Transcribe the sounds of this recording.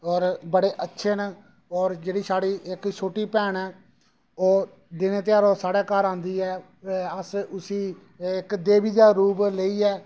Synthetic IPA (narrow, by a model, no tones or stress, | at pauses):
ɔːɾbəɽeːʔətːʃʰeːnː | ɔːɾd͡ʒeːɽiːsaːɽiːʔɪkt͡ʃʰoːʈiːpɛːɳɛː | oː | d̪ɪneːt̪̬ɪjaːɾõːsaːɽɛːkaɾãːnd̪iːɛː | əsʊsiː | ɪkd̪eːʋiːd͡ʒ̪aːɾuːbleiːɛː